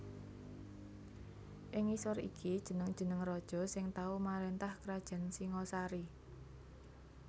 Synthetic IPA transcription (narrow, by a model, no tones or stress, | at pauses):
ʔɪŋisɔrḭkʰid̥ʒ̥ə̤nəŋd̥ʒ̥ə̤nəŋrɔd̥ʒ̥ɔ̤sɪŋt̪aumaɾent̪ahkɾad̥ʒ̥a̤nsiŋɔsaɾi